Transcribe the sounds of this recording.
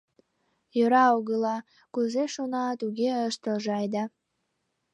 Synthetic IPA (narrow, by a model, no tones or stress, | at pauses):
jøɾɑuɣəlɑ | kuzeʃonɑt̪uɣeəʃt̪əlʒɑjd̪ɑ